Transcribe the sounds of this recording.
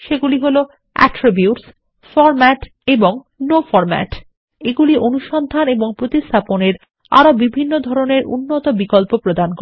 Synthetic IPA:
ʃeɡuliɦolo | ɛ̰ʈɾibjuʈs | fɔɾmɛʈ | eboŋ | nofɔɾmɛ̰ʈ | eɡuliʔonuʃɔnd̪ʱaneboŋpɾot̪ist̪ʰaponeɾ | a̰ɾobibʱinːod̪ʱɔɾoneɾṵnːot̪obikɔlpopɾod̪ank

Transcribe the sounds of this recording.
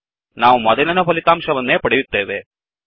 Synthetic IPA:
naːʋmɐðɐnɐnɐpɐlɪt̪ːaːmʂɐʋɐnːeːpɐɽɪʋit̪ːeːʋeː

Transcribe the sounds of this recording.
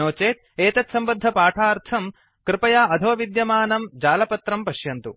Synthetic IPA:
oːt͡ʃeːt̪̚ | eːt̪ɐt̪sɐmbɐd̪ʱːɐpaːʈʰaːɾt̪ʰɐm | kɾɪpɐjaːɐd̪ʱoːʋid̪jɐmaːnɐmd͡ʒaːlɐpɐt̪ɾɐmpɐʃjɐnt̪u

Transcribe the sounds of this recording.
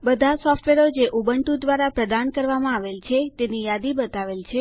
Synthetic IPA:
bəd̪ʱasɔfʈʋeɾod͡ʒeʔubəɳʈud̪ʋaɾapɾəd̪ankəɾʋamãaʋelt͡ʃʰet̪enijad̪ibət̪aʋelt͡ʃʰe

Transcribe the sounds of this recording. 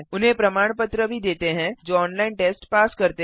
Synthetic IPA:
ʊnɦẽpɾɐmaːɽ̃pət̪ɾəbʱid̪eːt̪eɦɛ̃d͡ʒoːɔːnlaːɪnʈeːsʈpaːskɐɾt̪e

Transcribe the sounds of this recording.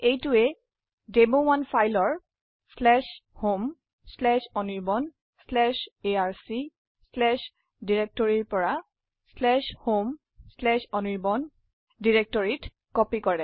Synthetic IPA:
ejtʊɛ | debowanfʰajlɔɹ | slɛʃhom | slɛʃɔniɹbɔn | slɛʃeaɹsi | slɛʃ | diɹek̚tɔɹiɹpɔɹa | slɛʃhom | slɛʃɔniɹbɔn | diɹek̚tɔɹit | kɔpikɔɹɛ

